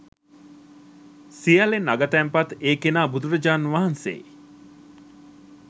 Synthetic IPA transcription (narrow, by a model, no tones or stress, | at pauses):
sijɐlenaɡɐt̪ɛːmpɐt̪eːkenaːbud̪uɾɐd͡ʒaːnʋaɦɐnsḛː